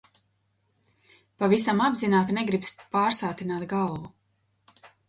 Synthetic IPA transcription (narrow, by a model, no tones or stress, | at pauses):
pavisamabzinaːt̪neɡɾipspaːɾsaːt̪inaːt̪ɡalˠvu